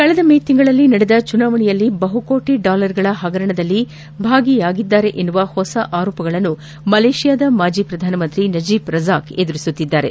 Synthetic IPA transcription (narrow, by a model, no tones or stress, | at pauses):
kɐɭɐd̪ɐmeːt̪iŋɡɐɭɐlːinɐɽed̪ɐt͡ʃunaːʋɐɳijɐlːibɐɦuko̞ːʈiɖaːlɐɾɡɐɭɐɦɐɡɐɾɐɳɐd̪ɐlːi | bʱaːɡijaːɡid̪ːaːɾe̞ʔenːuʋɐhɔsɐʔaːɾɔːpɐɡɐɭɐnːu | mɐleːʂijaːd̪ɐmaːd͡ʒipɾɐd̪ʱaːnɐmɐnt̪ɾinɐd͡ʒiːpɾɐzaːked̪uɾisut̪ːid̪ːaːɾe̞̰